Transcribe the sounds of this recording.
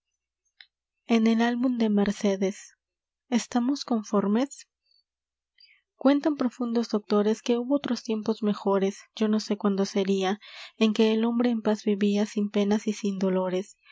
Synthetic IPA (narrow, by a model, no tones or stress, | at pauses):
e̞ne̞lalβumd̪e̞me̞ɾse̞ðe̞s | est̪amo̞sko̞ɱfo̞ɾme̞s | kwe̞nt̪ampɾo̞fund̪o̞zðo̞k̚t̪o̞ɾe̞ske̞uβo̞ot̪ɾo̞st̪je̞mpo̞zme̞xo̞ɾe̞sd͡ʒo̞no̞se̞kwand̪o̞seɾiae̞ŋke̞ːlo̞mbɾe̞ːmpazβiβiasimpe̞nasisind̪o̞lo̞ɾe̞s